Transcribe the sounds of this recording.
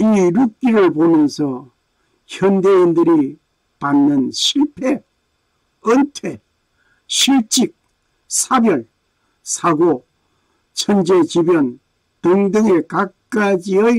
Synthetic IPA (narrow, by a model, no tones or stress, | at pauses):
iɾuk̚k͈iɾɯɭpomjʌnsʰʌ | çjʌndeindɯɾi | panːɯnɕʰiɭpʰe | ʌntʰwe̞ | ɕʰiɭt͡ɕ͈ik̚ | sʰabjʌɭ | sʰaɡo | t͡ɕʰʌnd͡ʑet͡ɕibjʌn | tɯŋdɯŋekak̚k͈ad͡ʑiʌ